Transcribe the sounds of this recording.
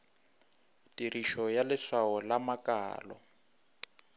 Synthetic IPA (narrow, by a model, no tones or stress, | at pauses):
tiriʃɔjalɪswawɔlamakaːlɔ̰